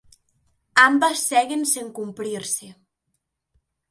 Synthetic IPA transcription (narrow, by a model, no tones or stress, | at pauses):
ambasːɛɣenseŋkumpɾiɾse